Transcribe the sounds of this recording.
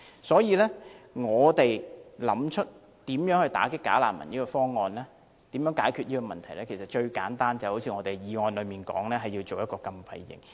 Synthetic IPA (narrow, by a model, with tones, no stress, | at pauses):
sɔː˨˥jiː˨˧lɛː˥ŋɔː˨˧t̪e˨jlɐ˨˥mt͡ʃʰɵ˥t̚ | t̪iː˨˥mjœː˨˥ŋhɵ˧ɥt̪a̰ː˨˥kɪ˥kːa̰ː˨˥laː˨˩mɐ̰˨˩njiː˥kɔː˧fɔː˥ŋːɔː˨˧nlɛː˥ | t̪iː˨˥mjœː˨˥ŋkaː˨˥jkʰyː˨˧t̚jiː˥kɔː˧mɐ˨nt̪ʰɐ˨˩jlɛː˥kʰe˨˩sɐ˨t̚t͡ʃɵ˧ɥka̰ː˨˥nt̪aː˥nt͡sɐ˨ho˨˥wt͡sʰiː˧ŋɔ˨˧t̪e˨˩jiː˨˧ŋɔː˧nlɵ˨˧ɥmiː˨˩nkɔ̰ː˨˥ŋlɛː˥ɦɐ˨ji˧wt͡so˨wjɐ˥t̚kɔː˧kɐ˧mpʰɐ̰˨˧jːɪ̰˨ŋ